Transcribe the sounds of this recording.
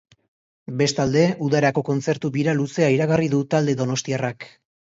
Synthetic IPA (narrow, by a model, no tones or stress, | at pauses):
be̞st̪ald̪e̞uðaɾako̞ko̞nt͡se̞ɾt̪uβiɾaluse̞aiɾaɣariðut̪ald̪e̞ðo̞no̞st̪iarak